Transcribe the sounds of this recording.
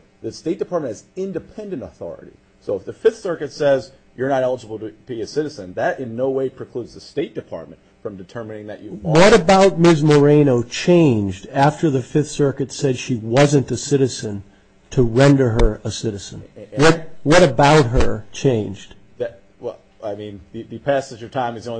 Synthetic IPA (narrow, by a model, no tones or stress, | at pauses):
ðɨsteɪt̚d̥ɨpʰɑɹt̚mɨ̃ntɨzɪ̃ndɨpʰɛ̃ndɨ̃ntəθɔ̰ɹɨ̰ɾḭ | soʊəfðɨfɪθsɜ˞kɨtsɛzjə˞nɨɾɛlˠəd͡ʒəbl̩ˠtɨbiɨsɪɾɨzɨ̃nðɨɾʔɪ̃nːoʊweɪpʰɹ̥ɨkʰl̥udzðɨsteɪt̚d̥ɨpʰɑ̰ɹt̚mɨ̃ntfɹʌ̃mdɨtʰɜ˞mɨnɪ̃ŋðɨ̰t͡ʃɨwʌɾɨbaʊt̚mɪzmə˞ẽɪ̃noʊt͡ʃʰẽɪ̃nd͡ʒdæftə˞ðɨfɪθsɜ˞kɨtsɛd̥ʃiwʌzɨ̃ntɨsɪɾɨzɨ̃n | tʰəɹɛ̃ndə˞ə˞əsɪɾɨz̥ɨ̃nwʌt̚wʌɾɨbaʊt̚ɦə˞t͡ʃʰẽɪ̃nd͡ʒd̥ | ð | wɛlˠ | aɪmĩnðɨðɨpʰæsɨd͡ʒə̥˞tʰãɪ̃mɨzɡõ